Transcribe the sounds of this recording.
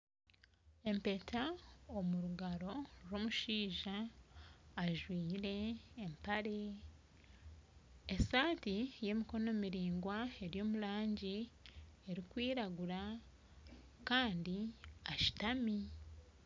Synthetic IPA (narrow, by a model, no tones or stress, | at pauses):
e̞mpe̞tʰaomuɾuɡaɾo̞ɾo̞ːmuʃiːʒaː | ʒwiːɾe̞ːmpaɾe̞ | esaːtije̞miko̞no̞miɾiːŋɡwae̞ɾjo̞ːmulaːɲɟi | e̞ɾikwiːɾaɡuɾa | kaːndiaʃi̥tami